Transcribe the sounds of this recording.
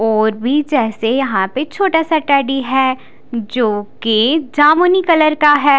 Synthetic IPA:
ɔːɾbʱid͡ʒɛːsejɐɦãpet͡ʃʰoːʈasaʈɛːɖiɦɛ | d͡ʒoːked͡ʒaːmonikɐləɾkaɦɛː

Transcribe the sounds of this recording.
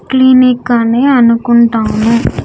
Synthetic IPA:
klinikɐneːɐnukuɳʈaːnu

